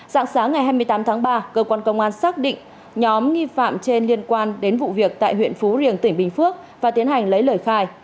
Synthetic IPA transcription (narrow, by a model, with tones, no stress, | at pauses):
za̰ː˧˥ŋsaː˨˦ŋːa˨˩jɦaː˧jmɨ˧əjt̪aː˨˦mt̪ʰaː˨˦ŋɓaː˧kəː˧kwaː˧nkə˧wŋ͡mʔaː˧nsaː˦˥k̚ɗḭ̈˧˨ŋ̟ | ɲɔ˨˦mŋi˧fa̰ː˧˨mt͡ɕe˧nli˧ənkwaː˧nɗe˨˦nvṵ˧˨vi˨˩ək̚t̪a̰ː˧˨jɦwḭ˧˨ənfu˨˦zi˨˩ənt̪ï˧˩ŋ̟ɓï˨˩ŋ̟fɨ˦˥ək̚vaː˨˩t̪i˨˦ənha˨˩jŋ̟lə˨˦jləː˧˩jxaː˧j